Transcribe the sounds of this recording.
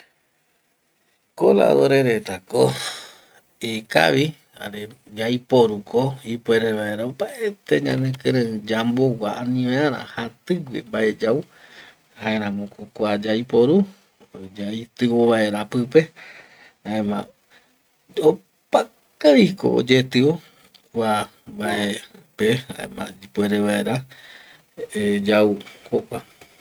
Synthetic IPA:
kola̰ðoɾeɾet̪ako | ika̰βi | a̰ɾe | d͡ʒajpoɾukʰoipweɾeβaeɾaopaʔet̪eɲã̰nẽkɨ̃ɾẽɨ̃d͡ʒambowʷaanĩʋẽãɾã̰hat̪ɨɡʷḛmbaed͡ʒau | hãẽɾãmõkʰokʷad͡ʒajpoɾu | d͡ʒait̪ɨoβaeɾapɨpe | aẽmã̰ | o | pa | kaɾiko̰o̰d͡ʒet̪ɨo | wa | baʔepeã̰ḛ̃mã̰pweɾeβaeɾa | d͡ʒaukokʷa

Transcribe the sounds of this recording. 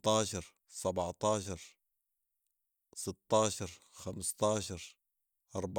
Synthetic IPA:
t̪ˤɑːʃɑɾˤ | sabʕt̪ˤɑːʃɑɾˤ | sɪt̪ːɑːʃɑɾˤxamst̪ɑːʃɑɾˤ | ʔɑɾˤb

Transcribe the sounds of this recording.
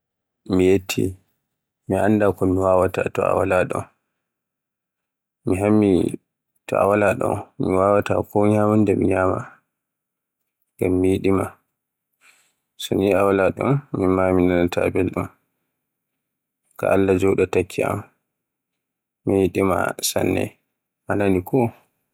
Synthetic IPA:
mijetʰːḭ | miandakɔmiwaːwatatɔa̰walaɗɔ̰n | miɦamːi | tɔa̰walaɗɔ̰nmiwawata̰kʰɔɲaːmundɛmḭɲaːma̰ | ɡamːijiɗima | sɔniawalaɗɔ̰nmimaminanatʰa̰bɛlɗɔn | ka̰ʔalːad͡ʒɔɗɔtakʰːia̰m | ijiɗima̰sa̰nːɛ̰ | ʔananikʰɔ

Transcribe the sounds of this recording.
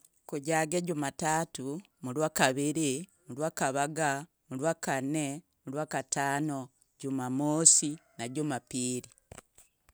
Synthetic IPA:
kuɟaːɡeɟumatatu | mulwakaβiɾimulwaːkaβaɡa | mulwaːkane | mulwakataːno | ɟumamoːsinaɟumapiːɾi

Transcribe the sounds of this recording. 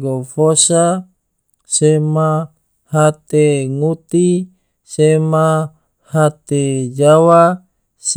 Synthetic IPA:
ɡofosa | sema | hat̪eŋut̪i | sema | hat̪ed͡ʒawa | s

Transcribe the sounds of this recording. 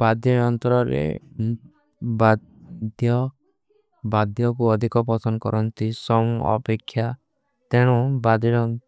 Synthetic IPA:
b̥ad̪jɔɔnt̪ɔɾɔɾḛ | ba | d̪jɔ | bad̪jɔkuɔd̪ʱikɔp̬ɔsɔnkɔɾʔɔnt̪isɔmuɔ̰pekʰːja | t̪eɽ̃ũbad̪jɔɾɔ

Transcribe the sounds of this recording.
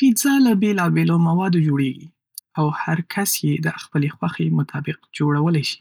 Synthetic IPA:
kizalabelɑbelomawɑd̪od͡ʒoɽeɡḭ | awhaɾkʰasjed̪əxpəlexwaxemʊt̪ʰɑbɪqd͡ʒoɽawəlajʃi̥

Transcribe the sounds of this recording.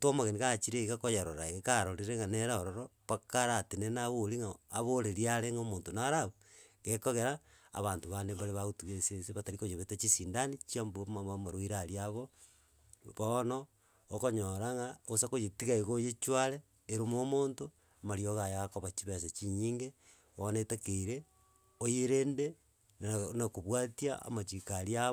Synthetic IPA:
twomaɣeniɣat͡ʃiɾeiɣakojaɾoɾaeɣekaɾoɾiɾeŋaneɾaoɾoɾoβakaɾatenenaβoɾiŋaːβoɾeɾiaɾeŋomoːntonaɾaβo | ɣekoɣeɾa | a̰βaːntoβandembaɾeβaɣotuɣeseseβataɾikojeβetat͡ʃisindanit͡ʃiambmaβamaɾoiɾaɾiaβo | βono | okoɲoɾaŋaosakojetiɣaiɣojet͡ʃwaɾeː | ɾomomoːnto | amaɾioɣajaɣakoβat͡ʃiβeset͡ʃiɲiːŋɡe | onetekeiɾe | ojeɾeːnde | nakoβwatia̰a̰mat͡ʃikaɾia

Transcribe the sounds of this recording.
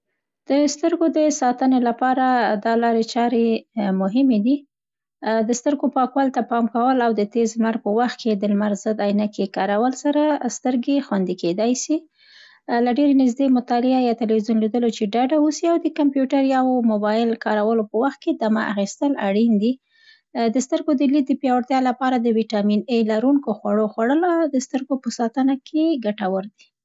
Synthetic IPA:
d̪̥əst̪əɾɡod̪əsɑt̪ənelapɑɾad̪ɑlɑɾet͡ʃɑɾemʊɦɪmed̪i | d̪əst̪əɾɡopɑkwalt̪apɑmkawəlawd̪ət̪ezlmaɾpəwaxt̪̚ked̪əlmaɾzəd̪ɑjnakekɑɾawəlsaɾast̪əɾɡexwand̪iked̪ɑjsi | laɖeɾenɪzd̪emʊt̪ɑlɪajɑt̪ɪlwizjunlid̪əlot͡ʃeɖaɖausiawd̪əkampjuʈaɾjawomobɑjɪlkɑɾawəlopəwaxt̪̚ked̪amaʔa̰xist̪əlaɽind̪i | d̪əst̪əɾɡod̪əlik̪̚d̪əpjɑwaɽt̪jɑlapɑɾad̪əwiʈɑminelaɾuŋkoxwaɽoxwaɽəlawd̪əst̪əɾɡopəsɑt̪ənakʰeɡaʈawəɾd̪i

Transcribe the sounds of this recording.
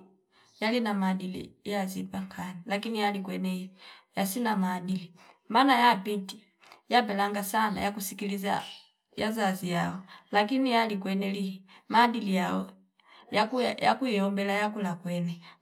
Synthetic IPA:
jalinamaːdilḭjazibaŋkʰanilak̬inijalikwɛnɛijasinamaːdilimanajapiti | jabɛlaŋɡasana̰jakusikiliza̰ | jazazijaɔlak̬inijalikwɛnɛlimaːdilijaɔ | jakuja̰kuiɔmbɛlajakulakwɛnɛ

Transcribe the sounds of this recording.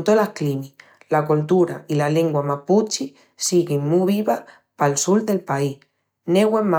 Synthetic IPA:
nt̪olahklimi | lakult̪uɾa̰ilale̞ŋɡwamaput͡ʃi | siɣeŋmuβiβa | palsuld̪elpai | neɣwema

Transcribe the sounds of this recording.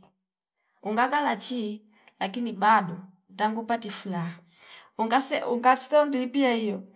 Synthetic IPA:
uŋɡakalat͡ʃi | lakinibadɔ | taŋɡupatifulaa | uɡasɛuŋɡḁsɔnduipiaijɔ

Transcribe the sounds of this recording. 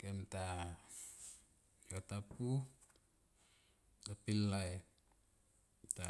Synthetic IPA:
kemta | jotapu | tapilːae | ta

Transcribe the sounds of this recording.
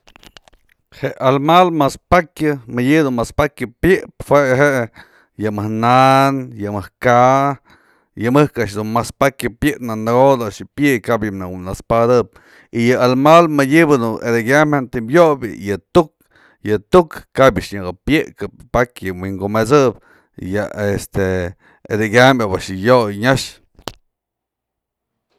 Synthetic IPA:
heʔalmalmaspakʲɨmɨjibd̪unmaspakʲɨpjɨʔphwʷeʔɦeʔ | jɨmɨhnanjɨmɨhka | jɨmɨhkaʔʂ̬d̪unmaspakʲjɨpjɨʔpnanɨɡod̪aʔʂjɨpjɨʔjkabjɨnanaspad̪ɨp̚ | ijɨalmalmɨdʲibɨd̪ued̪eɡʲamhant̪imjobʲɨ̰jɨt̪uk | jɨt̪ukːaba̰ʔʂɲaɡɨpjɨʔkapakjɨwiŋɡomet͡sɨb | jaest̪e | ḛd̪eɡʲambʲabaʔʂɨjojɲaʂ

